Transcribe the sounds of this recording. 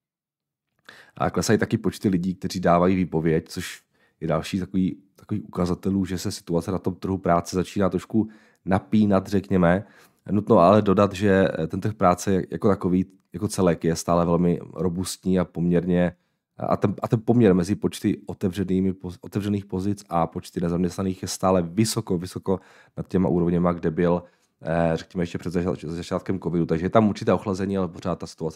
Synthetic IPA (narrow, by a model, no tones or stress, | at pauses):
ʔa̰klɛsajt̪akɪpo̞t͡ʃt̪ɪlɪɟiːk̚t̪ɛriːdaːvajiːviːpo̞vjɛct͡soʃ | jɛda̰lʃiːt̪akoviːt̪ḁkoviːxʔukazat̪ɛluːʒɛsɛsɪ̥t̪uat͡sɛnat̪o̞mt̪r̩ɦupɾaːt͡sɛzat͡ʃiːnaːt̪ɾoʃku | napiːnat̪rɛkɲɛmɛ | nut̪noʔalɛdo̞dat̪ʒɛt̪ɛnt̪r̩xpɾaːt͡sɛjɛja̰kot̪ako̞viː | jako̞t͡sɛlɛkjɛst̪aːlɛvɛlmɪɾobust̪ɲiːapomɲɛɾɲɛ | a̰t̪ɛnat̪ɛnpo̞mɲɛɾmɛzɪpo̞t͡ʃt̪ɪʔot̪ɛvrɛniːmɪpoʔot̪ɛvrɛniːxpo̞zɪt͡sapo̞t͡ʃt̪ɪnɛzamɲɛst̪naniːxjɛst̪aːlɛvɪsokovɪsoko̞ | nat̪̚cɛmaʔṵːɾovɲɛmaɡdɛbɪl | rɛkɲɛmɛjɛʃcɛpr̥ɛzaaɛzat͡ʃaːt̪kɛmkovɪdut̪aɡʒɛjɛt̪amʔuɾt͡ʃɪt̪ɛːoxlazɛɲiːalɛpor̝aːt̪̚ːasɪ̥t̪uat͡sɛ